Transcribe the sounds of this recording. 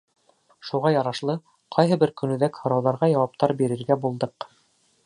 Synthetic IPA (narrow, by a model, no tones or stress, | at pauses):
ʃuʁɑjɑɾɑʃlˠɤ | qʰɑjɦɤ̆bɘɾkɵ̆nɵ̆ðækhɤ̆ɾɑwðɑɾʁɑjɑwɑp̚t̪ɑɾbiɾɘ̆ɾɡæbulˠd̪ɤq